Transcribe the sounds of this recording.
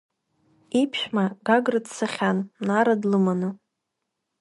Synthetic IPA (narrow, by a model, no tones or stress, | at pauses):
ipʰʃᶣmaɡaɡrɨdsaχʲanmnaɾadlɨmanɨ